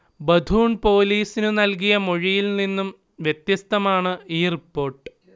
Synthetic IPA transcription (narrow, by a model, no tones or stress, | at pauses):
bɐd̪ʱuːɳpo̞ːliːsinɨnɐlk̬ijɐmoɻijilninːum | ʋjet̪jɐst̪ɐmaːɳɨeːɐrpːo̞ːrʈːɨ̥